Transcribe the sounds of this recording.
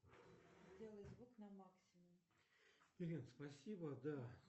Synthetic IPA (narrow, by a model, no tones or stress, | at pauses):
zʲdʲelˠəjzvuknɐmaksʲɪmʊm | ɪɾʲinspɐsʲibəd̪a